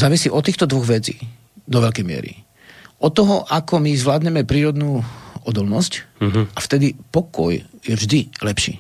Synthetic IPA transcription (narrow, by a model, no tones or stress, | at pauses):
zaːʋisiːʔɔt̪ːiːxt̪ɔd̪ʋɔɣʋɛt͡siː | d̪ɔʋɛʎkɛjmɪɛ̰ɾḭ | ʔɔt̪ːɔɦɔʔakɔmizʋlaːd̪ɲɛmɛpɾiːɾɔd̪nuːɔd̪ɔlnɔscʔaft̪ɛd̪ipɔkɔ̰jjɛvʒd̪ilɛpʃḭː